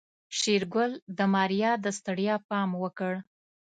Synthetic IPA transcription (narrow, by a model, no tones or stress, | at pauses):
ʃeɾɡʊld̪əmɑɾijɑd̪əst̪aɽjɑpɑmwəkəɽ